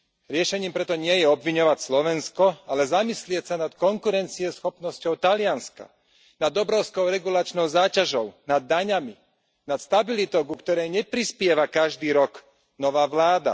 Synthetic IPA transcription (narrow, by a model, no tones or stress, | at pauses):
ɾɪɛʃɛɲiːmpɾɛt̪ɔɲɪɛjɛɔbʋiɲɔʋacslɔʋɛnskɔalɛzamislɪɛcsanat̪kɔŋkuɾɛnt͡siɛsxɔpnɔscɔʊt̪alɪanska̰ | nad̪ɔbɾɔʊskɔʊɾɛɡulat͡ʃnɔʊzaːcaʒɔʊnad̪ːaɲami | nat̪st̪abilit̪ɔʊkukt̪ɔɾɛjɲɛpɾispɪɛʋakaʒd̪iːɾɔk | nɔʋaːʋlaːd̪a̰